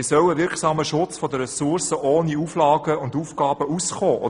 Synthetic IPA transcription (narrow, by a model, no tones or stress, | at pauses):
sœwəʋɪɾksɑːməʃʊt͡sfɔdəɾɛsʊrsəʔoːniuːflɑːɡ̥əʊnduːfkɑːb̥əusχoːʔo̰